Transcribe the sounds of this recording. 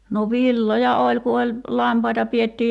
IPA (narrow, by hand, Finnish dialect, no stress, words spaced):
no ʋilːojɑ olʲ ku olʲ lɑmpɑitɑ pietːiːj